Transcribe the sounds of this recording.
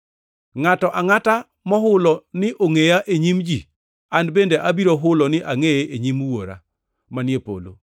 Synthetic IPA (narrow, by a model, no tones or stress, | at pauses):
ŋatɔʔaŋata | mɔɦʊlɔnɪʔoŋejaʔeɲimd͡ʒi | anbendeʔabiɾoɦʊlɔnɪʔaŋejeʔeɲimwoɾa̰ | manjepo̰lo̰